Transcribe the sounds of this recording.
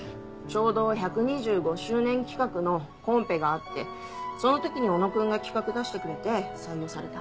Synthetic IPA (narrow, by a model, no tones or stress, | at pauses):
t͡ɕo̞ːd̪o̞çakɯ̟ɲ̟iʑɨːɡo̞ɕɨːnẽ̞ŋkʲi̥kakɯ̟no̞ | kõ̞mpe̞ɡaːt̪ːe̞̰ | so̞no̞t̪o̞kʲiɲ̟io̞no̞kɯ̟̃ŋɡakʲi̥kakɯ̟d̪aɕi̥t̪e̞kɯ̟ɾe̞t̪e̞saijo̞ːsaɾe̞t̪a